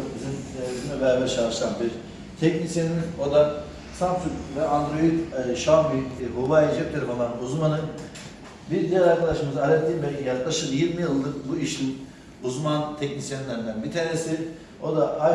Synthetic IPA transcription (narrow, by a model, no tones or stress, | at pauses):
bizinbizimɛbɛɾabɛɾt͡ʃʰalˠɯʃsˠanbiɾ | t̪ʰɛcnisjenino̞d̪a | sanp̪sukvɛʔand̪ɾo̞jit̪ʃambibobajid͡ʒɛp̚t̪ʲeɾbolˠanuzmanɯn | biɾd̪ijɛlʲaɾkʰad̪aʃɯmɯzaalɛt̪ʰʲːiːmbɛlʲcʰʲijaklˠaʃɯɾjiɾmijɯlˠd̪ɯkbuiʃʲin | uzmant̪ʰɛcnisjeninæɾnd̪ænbit̪ʰanesi | o̞d̪aa